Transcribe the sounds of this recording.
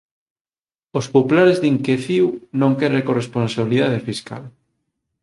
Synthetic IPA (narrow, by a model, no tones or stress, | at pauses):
ospopulaɾezðiŋkeθiwnõŋkɛɾekoresponsaβiliðaðefiska̰l